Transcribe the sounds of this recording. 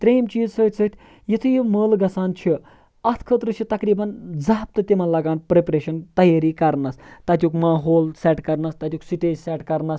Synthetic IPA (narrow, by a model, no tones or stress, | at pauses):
t̪ɾeːmt͡ʃiːzsəːt̪ʰʲsʰət̪ʰʲ | jit̪ʰɨjiməːlɡɐsaːnt͡ʃʰi | ɐt̪ʰkʰət̪ɾɨt͡ʃʰit̪ɐkɾiːbɐnd͡zaːp̚t̪ɨt̪ʲimɐnlɐɡaːnpɾepɾeːʃɐnt̪ɐjaːɾiːkɐɾnɐst̪ɐt̪̬ʲjukmaːɦoːlsɛʈkɐɾnɐst̪ɐt̪ʲuksiʈeːd͡ʒsɛʈkɐɾnɐs